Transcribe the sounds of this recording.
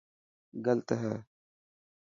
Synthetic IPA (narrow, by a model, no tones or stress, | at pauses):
ɡəlt̪əɦɛː